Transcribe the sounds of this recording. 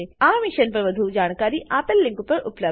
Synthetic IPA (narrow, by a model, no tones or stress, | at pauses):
eaːmɪʃənpɐɾʋɐd̪ʱud͡ʒaːñkaːɾiʔaːpəlːɪ̃ŋkpɐɾʊ̰plə